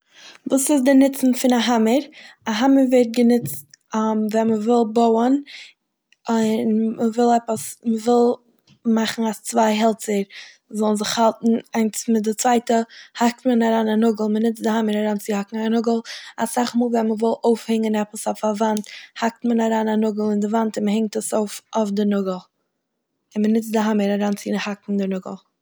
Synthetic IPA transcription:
vuːsɪsdɪnɪt͡sn̩fɪnaɦaməɾaɦaməɾvɛt̚ɡənɪt͡stːmvɛnməvɪlˠboʊən | nməvɪlˠɛpəsməvɪlˠ | maχn̩ast͡svaɪɦɛlˠt͡səɾ | zɔlˠnzɪχhalˠtn̩aɪnsmɪdɪt͡sv̥aɪtəhak̚tmənaɾaːnanʊɡlˠmənɪt͡sdɪhaməɾaɾaːnt͡sɪhakŋ̩anʊɡəl̩ˠasaχmuːlˠvɛnməvɪlˠoʊfhɪŋənɛpəsɔfavanthak̚tmənaɾaːnanʊɡl̩ˠɪndɪvantɪnməhɪŋ̚təsoʊfofdɪnʊɡəl̩ˠ | ɪnmənɪt͡sdɪɦaməɾaɾaːnt͡sɪhakŋ̩dɪnʊɡə̰l̩ˠ

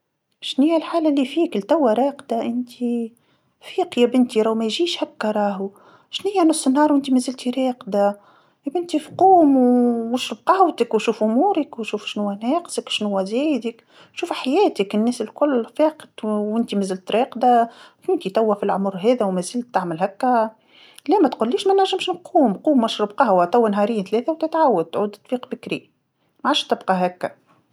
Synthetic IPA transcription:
ʃnijːælħaːlælːifiːkɪlt̪æwːæɾɑːqd̪aʔɪnt̪ʰi | fiːqjæbɪnt̪iɾˤawmæjʒiːʃhakːɑɾˤɑːɦu | ʃnɪjːanʊsˤːənhɑːɾˤwʔɪnt̪imæzɪlt̪iɾɑːqd̪a | jæbɪnt̪ifquːmwʃufqɑwt̪əkwʃuːfʔʊmuːɾəkwʃuːfʃnʊwːænɛːqzəkwʃnʊwːæzɛːjd̪ək | ʃuːfħajɛːt̪əkɪnːɛːsɪlkʊlːfɛːqəd̪wɪnt̪imæzɪlt̪ɾɑːqd̪afɪnt̪it̪æwːæfilʕʊmʊɾˤɦɛːðæwmæzɪlt̪ːaʕməlɦækːæ | lɛːmæt̪qʊlːiːʃmænaɾʒːɪmʃnqʰuːmquːmwæʃɾʊb̚qɑhwæt̪ˤæwːænɦɑːɾijːnθlɛːθæwt̪ɪt̪ʕawːəd̪̚t̪ʕuːd̪t̪ːˤbiːqbɪkɾi | maʕaːʃt̪ɪbqɑɦækːæ

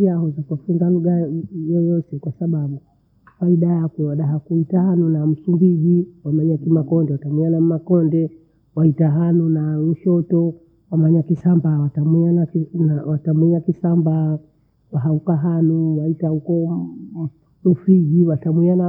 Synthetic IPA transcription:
iaɦɔzakafuŋɡaluɡajɔjɔtɛkwasaɓaɓu | faiɗajakwɛwaɗaɦakuitahanunam̩sumbiʄiwamaɲakimakɔndɛwatamwianamakɔndɛ | waitaɦanunauʃɔtɔ | wamaɲakisambawatamiananawatamwiakisamba | waɦaukaɦanuwaitaukɔ | nufiɡiwatamwiana

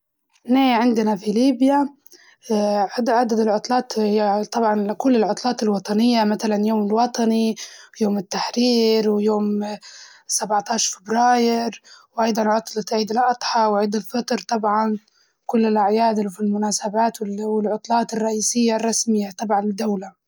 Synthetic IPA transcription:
neːʕɪnd̪ɪnafiliːbja | ʕʕad̪ad̪ɪlʕʊt̪ˤlɑːt̪t̪ˤɑbʕɑnkʊlːɪlʕʊt̪ˤlɑːt̪ɪlwɑt̪ˤɑnɪjːamat̪alanjoːmɪlwɑt̪ˤɑnijoːmɪt̪ːaħɾiːɾwjoːm | sabʕt̪ɑːʃfɪbɾɑːjɪɾwʔɑjd̪ˤɑnʕʊt̪ˤlɑt̪ʕiːd̪ɪlʔɑt̪ˤħɑwʕid̪ɪlfɑt̪ɾt̪ˤɑbʕɑn | kʊlːɪlʔaʕjaːd̪ɪfilmʊnaːsabaːt̪wwɪlʕʊt̪ˤlɑːt̪ɪrˤːɑʔiːsɪjːarˤːɑsmɪjːat̪ˤɑbʕɑnɪd̪ːawla

